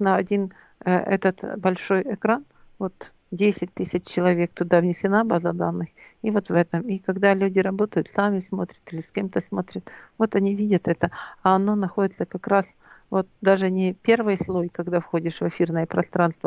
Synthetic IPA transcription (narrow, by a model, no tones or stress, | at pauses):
nəɐdʲin | əʔɛ̰t̪ət̪bɐlʲʂo̞jɛkɾan | vo̞t̪ | dʲesʲɪt̚ʲt̪ɨsʲɪt͡ɕt͡ɕːɪlˠɐvʲe̞k̚t̪ʊd̪avnʲɪsʲɪnabazəd̪anːɨx | ivo̞t̪vɛt̪əmikɐɡd̪alʲʉdʲɪɾɐbo̞t̪əjʊt̪samʲɪsmo̞t̪ɾʲə̥t̪ɨlʲɪsʲkʲe̞mt̪əsmo̞t̪ɾʲət̪vo̞t̪ɐnʲivʲidʲət̪ɛt̪əɐɐno̞nɐxo̞dʲɪt̪səkɐkɾas | vo̞t̪̚d̪aʐɨnʲɪpʲe̞rvɨjslˠojkɐɡd̪afxo̞dʲɪʂvɨfʲirnəjəpɾɐst̪ɾanst̪və